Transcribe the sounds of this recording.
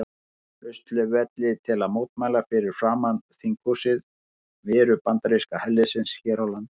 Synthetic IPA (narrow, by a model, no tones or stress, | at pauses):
œɥst̪lʏvɛt̪lɪt̪ʰɪlaðmoːwt̪̚maːjlafɪɾɪɾ̥fɾaːmanθiŋkusɪð | vɪːɾʏpant̪aɾiskahɛlːɪsɪnsçɛːɾawlant̪